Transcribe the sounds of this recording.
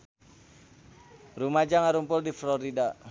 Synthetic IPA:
rumad͡ʒaŋaɾumpʊldifloɾida

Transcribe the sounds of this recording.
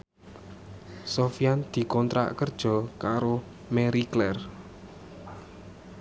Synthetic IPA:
sofijand̪̥i̤kɔnt̪ɾa̰ʔkərd̥ʒ̥ɔ̤kaɾo | meɾiklɛr

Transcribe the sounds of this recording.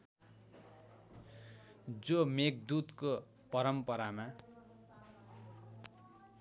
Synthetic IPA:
d͡zomek̚d̪ut̪ko | pʌɾʌmpʌɾama

